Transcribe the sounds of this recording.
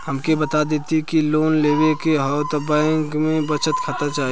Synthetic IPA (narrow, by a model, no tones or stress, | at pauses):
həmkebət̪ad̪eːt̪ikiloːnleːʋekeɦɔwt̪bɛ̃ːŋkmẽbət͡ʃət̪kʰət̪at͡ʃaːɦ